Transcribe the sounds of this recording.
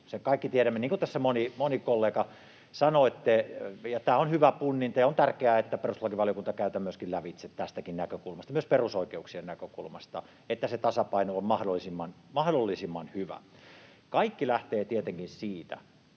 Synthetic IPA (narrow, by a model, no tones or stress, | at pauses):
sekɑikːit̪ieɾæmːeniːŋkut̪æsːæmonimonikolːeːkɑ | sɑnoet̪ːejɑt̪æːonhyʋæpunːint̪ɑjɑont̪ærkeæet̪ːæperuslɑkiʋɑljokunt̪ɑkæyt̪æmyøskillæʋit̪set̪t̪æst̪ækinnækøkulmɑst̪ɑmyøsperusoikeuksiennækøkulmɑst̪ɑ̰ | et̪ːæset̪ɑsɑpɑinoommɑhdolːˑisimːɑnmɑhdolːisimːɑnhyʋæ̰ | kɑikːilæht̪eːt̪iet̪eŋkinsiːt̪æ̰